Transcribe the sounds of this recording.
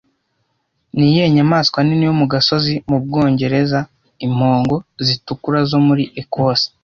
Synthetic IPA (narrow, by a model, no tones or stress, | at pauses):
nije̞ːɲamaːskwaninijomuɡaso̞zimub̚ɡo̞ːɲɟe̞ɾe̞za | im̥ho̞ːŋɡo̞zitukuɾazo̞muɾiʔekʰoːsi̥